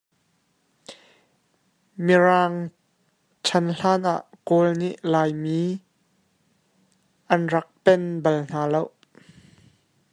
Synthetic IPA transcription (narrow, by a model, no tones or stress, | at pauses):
miraːŋ | t͡ʃʰɐnɬaːnʔa̰ʔkolnḭʔlaːjmiː | ʔɐnrɐk̚pɛnbɐln̥aːlow